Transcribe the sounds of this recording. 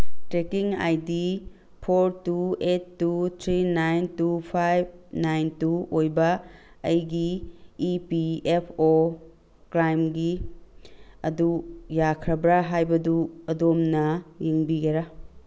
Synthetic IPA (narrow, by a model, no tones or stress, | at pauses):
tɾekiŋa̰jdi | pʰoɾtuetːut̪ʰɾinajntupʰajb̚najntuojbɐ | ɐjɡiː | piepʰo | kɾajmɡi | ɐdujakʰɾɐbɾaɦajbɐduɐdomnɐjiŋbiɡɐɾa